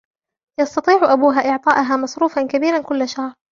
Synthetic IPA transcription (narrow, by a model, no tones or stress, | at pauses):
jɑst̪ɑt̪ˤiːʕʔabuːɦaːʔɪʕt̪ˤɑːʔʊɦaːmɑsˤɾuːfankabiːɾankʊlːʃahɾˤ